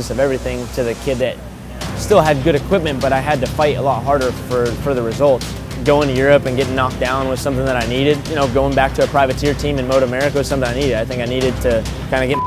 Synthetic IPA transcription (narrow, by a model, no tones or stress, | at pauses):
ɨsʌvɛvɹiθɪ̃ŋtʰɨðɨkʰɪd̪̚ðɨt̚ | stɪlˠɨd̚ɡʊɾɨkʰw̥ɪp̚mɨ̃nb̥ʌɾaɪɨd̚tɨfaɪɾə̰lɔt̚ɦɑɹɾə˞fə˞fə˞ðɨɹɨzʌlˠt̚ | ɡ̥oʊɪ̃ŋtʰɨjʊɹɨpɨ̃nɡɛɾɪ̃ŋnɑk̚d̥ãʊ̃nwəð̥sʌ̃mθɪ̃ŋðəɾaɪniɾɪd̚jɨñoʊɡoʊɪ̃ŋbæk̚tʰɨːpʰɹ̥aɪvɨtʰɪɹtʰĩmɨ̃nmoʊɾɨmɛɹɨkoʊ̥sʌ̃mθɪ̃ŋ̃aɪniɾɨdaɪθɪ̃ŋkaɪniɾɨd̚tʰɨ | kʰãɪ̃ndɨɡɛ